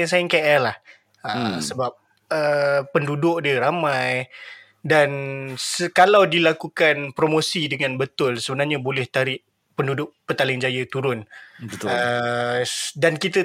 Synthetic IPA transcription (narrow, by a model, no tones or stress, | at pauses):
ŋs̬ajɪŋkeʔɛrlah | əsəbap̚ | əːəndudʊʔ̚diəɾamãj | dansəkalawdilakukanpɾomosidəŋãnbət̪ʊlsəbənarɲabolɛht̪aɾɪʔ | pəndudʊʔ̚pət̪alɪŋd͡ʒajət̪uɾʊnə | dankit̪ə